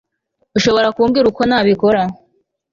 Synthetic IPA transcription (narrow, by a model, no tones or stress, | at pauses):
uʃo̞βo̞ɾakuːmɡiɾuko̞naːβiko̞ɾa